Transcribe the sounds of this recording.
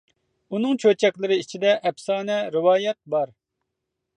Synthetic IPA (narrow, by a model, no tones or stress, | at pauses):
unɨŋt͡ʃʰøt͡ʃʰɛkʲlˠɨɾɪit͡ʃʰid̪ɛʔɛpsɑːnɛɾɪwɑːjɛt̪̚bɑɾ